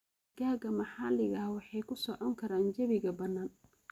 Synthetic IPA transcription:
ɡaːɡɐmɑħɑːlɪɣɐhwɑħɑjkʰʊsɔʕɔŋkʰɐɾaːnt͡ʃɐβɪɣɐbɐnːaːn

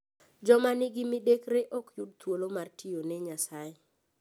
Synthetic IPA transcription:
d͡ʒɔmanɪɡɪmidekɾeʔɔkjud̚t̪wolomartʰijonɛɲasaje

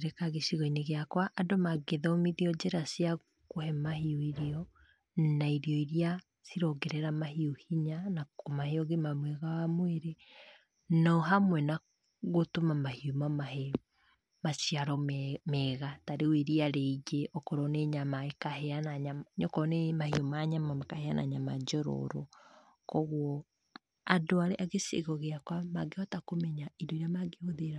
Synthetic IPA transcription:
ɾekaɣeʃiɣɔineɣeakwaʔːdomaɡeðɔmiðiɔd͡ʑeɾasia | ɣohɛmahiuiɾiɔ | naiɾiɔiɾia | siɾɔɡɛɾɛɾamahiuhiɲanaomaheɔɣemamwɛɣawamweɾe | nɔɔɦamwɛna | ɣotomamahiumamahe | masiaɾɔmmɛɣataɾeweɾiaɾeid͡ʒeʔɔkɔɾɔneɲamaekahɛanaɲamɲɔkɔnemahiɔmaɲamamakaheana̰ɲamad͡ʒɔɾɔ̰ɾɔ̰ | kɔɣwɔ | adoaɾeʔaɣesḛɣɔɣeakwamaɡeɔtakomɛɲaidoiɾamaɡeoðeɾa

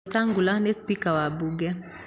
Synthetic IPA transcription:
taŋɡulanɛspikawaɓuɡɛ

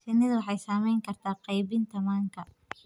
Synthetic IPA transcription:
t͡ʃɛnɪðɐwɑħɑjsaːmɛjŋkʰɐrt̪ʰaːqɑjβɪnt̪ʰɐmaːŋkʰɐ

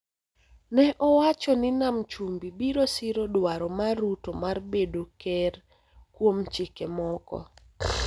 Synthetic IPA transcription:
nɛʔɔwat͡ʃɔnɪnamt͡ʃumbibiɾosiɾodwaɾɔmarutomarbedokɛr | kwomt͡ʃikemɔkɔ̰

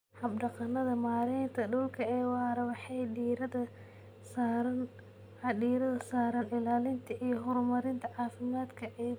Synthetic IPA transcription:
hɐbɖɐqɑnːɐðɐmaːɾɛjnt̪ʰɐɖɔwlkʰɐɛːwɑːɾɐwɑħɛjɖiɾɐɐ | s | ɖiːɾɐðɐsaːɾɐnɪlaːlɪnt̪ʰɐʔijɔɦɔɾmɐɾɪnt̪ʰɐʕaːfɪmaːd̪kʰɐʔɛː

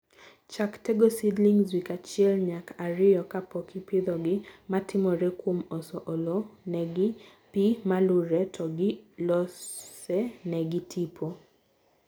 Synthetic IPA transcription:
t͡ʃaktɛɡosidliŋzwikat͡ʃɪɛlɲakaɾɪjɔkapɔkɪpɪd̪ɔɡɪmatʰɪmɔɾɛkwomɔsɔʔolonɛɡɪ | pimalʊɾɛtʰɔɡɪlɔsɛnɛɡɪtʰipʰo

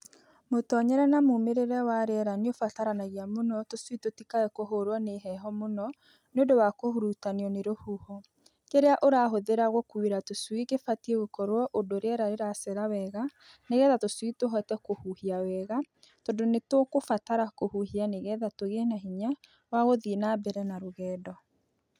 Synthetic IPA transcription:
motɔɲɛɾɛnamomeɾeɾɛwaɾeɛɾaneofataɾanaɣiamonɔtoswitotikaɛkoɦoɾwɔneɦɛɦɔmonɔ | neodowakohuɾutaneɔneɾohuhɔ | keɾeaʔoɾaɦoðeɾaɣwɔkuweɾatoswiɣefatieɣokɔɾwɔʔodoɾeɛɾaɾeɾasɛɾawɛɣa | neɣɛðatoswitoɦɔtɛkohuhiawɛɣa | tɔndonetwɔkofataɾakohuhianeɣɛðatoɣenaɦiɲa | waɣoðinabɛɾɛnaɾoɣɛːdɔ

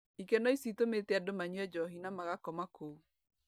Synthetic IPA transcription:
ikɛnɔisitometɛadomaɲwɛd͡ʒɔɦinamaɣakɔmakou

